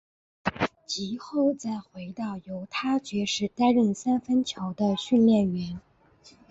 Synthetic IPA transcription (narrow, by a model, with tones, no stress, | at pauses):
t͡ɕi˧˥xo˥˩ʊt͡sa˥˩ɪxwe˧˥ɪt̪ɑ˥˩ʊjo˧˥ʊt̪ʰa˥t͡ɕɥɛ˧˥ʂɻ̩˥˩t̪a˥nɻə˥˩ŋsa˥nfə˥nt͡ɕʰjo˧˥ʊd̪ə˧ɕy˥˧nljɛ˥˩nɥɛ˧˥n